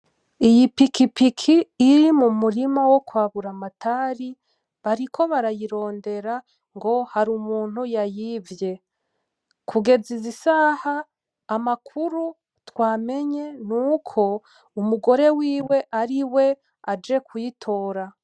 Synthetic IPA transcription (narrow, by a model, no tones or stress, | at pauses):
ijipikipikʰiːɾimumuɾimawo̞kwaːβuɾamatʰaːɾi | βaɾikʰo̞βaɾajiɾo̞ːnde̞ɾa | ŋɡo̞haɾumuːn̥hujajiːvje̞ | kʰuɡe̞zizisaːhaː | makʰuɾu | twaːme̞ɲe̞nuːkʰo̞ | umuɡo̞ɾe̞wiːwe̞ʔaɾiwe̞ | ad͡ʒe̞kʰujitʰo̞ːɾa